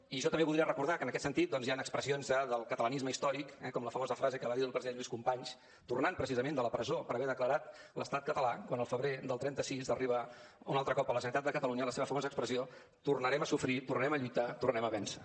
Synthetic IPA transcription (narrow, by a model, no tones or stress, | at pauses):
iʒɔt̪əmbeβulˠd̪ɾiərəkuɾðakənəkɛt̪sənt̪it̪̚d̪ɔnzjanəkspɾəsionzaðəlˠkət̪ələnizməist̪ɔɾikɛkɔmləfəmozəfɾazekəβaðit̪ːlˠpɾəziðenmeskumpaɲs | t̪urnanpɾəsizəmend̪ələpɾəzopəɾəβɛɾðəkləɾat̪ləst̪at̪̚kət̪əlakwanəlˠfəβɾeðəlˠt̪ɾɛnt̪əsizəriβə | ṵnalˠt̪ɾəkɔpələʒənəɾit̪at̪d̪əkət̪əluɲələseβəfəmozəkspɾəzio | t̪urnəɾɛməsufɾit̪urnəɾɛməʎujt̪at̪urnɛməβɛnsə